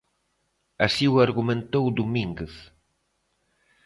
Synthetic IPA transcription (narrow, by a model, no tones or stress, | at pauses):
asiuaɾɣumẽnt̪owd̪umiŋɡeθ